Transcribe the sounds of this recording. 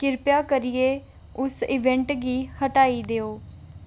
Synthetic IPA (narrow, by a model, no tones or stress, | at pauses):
kɪɾpjaːkəɾɪeː | ʊsɪʋɛ̃ɳʈɡiːhəʈaːiːd̪eːoː